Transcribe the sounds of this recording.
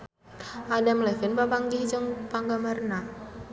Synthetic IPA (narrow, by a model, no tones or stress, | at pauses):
adamlɛfɪnpapaŋɡiɦd͡ʒəŋpaŋɡamarna